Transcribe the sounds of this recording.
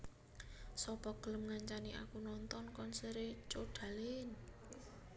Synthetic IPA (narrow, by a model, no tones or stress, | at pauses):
sɔpɔɡ̥ələmŋaɲt͡ʃaniʔa̰kunɔnt̪ɔnkɔnsəɾet͡ʃoɖ̥a̤lɪn